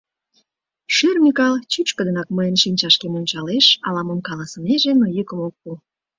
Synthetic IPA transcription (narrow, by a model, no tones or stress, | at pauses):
ʃermʲikɑlt͡ɕyt͡ɕkəd̪ənɑk̚məjənʃinʲt͡ɕɑʃkemonʲt͡ɕɑleʃɑlɑmomkɑlɑsəmeʒenojykəmok̚pu